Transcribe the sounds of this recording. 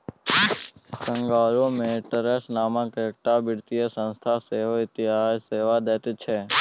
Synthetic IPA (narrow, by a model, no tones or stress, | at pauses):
kə̃ŋɡaːlomeʈəɾesnaːmãkːk̚ʈabɪɽt̪ijesə̃nst̪ʰaseɦoɪt̪iɦasseːʋad̪et̪t͡ʃʰe